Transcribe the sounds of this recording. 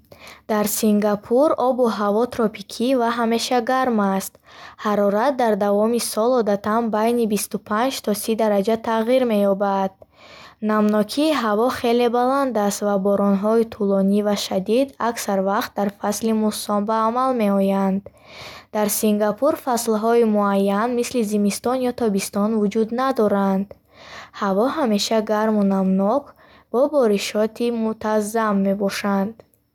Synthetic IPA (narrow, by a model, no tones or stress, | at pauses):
d̪̥aɾsiŋɡapʰuɾɔbuɦavɔt̪ʰɾɔpʰikʰivaɦame̞ʃaɡaɾmast̪haɾɔɾat̪̚d̪aɾd̪avɔmisɔlɔd̪at̪ʰanbajnibist̪upʰand͡ʒt̪ʰɔsid̪aɾad͡ʒat̪ʰaʁiɾme̞jɔbad̪̥̚ | namnɔkʰiːɦavɔχe̞le̞baland̪ast̪vabɔɾɔnɦɔit̪ʰulɔnivaʃad̪id̪aksaɾvaqt̪̚d̪aɾfaslimusɔnbaːmalme̞ɔjand̪ | d̪̥aɾsiŋɡapʰuɾfaslɦɔimuajːanmislizimist̪ɔnjɔt̪ʰɔbist̪ɔnvud͡ʒud̪nad̪ɔɾand̪ | havɔɦame̞ʃaɡaɾmunamnɔk | b̥ɔbɔɾiʃɔt̪ʰimut̪ʰazːamːe̞bɔʃand̪̥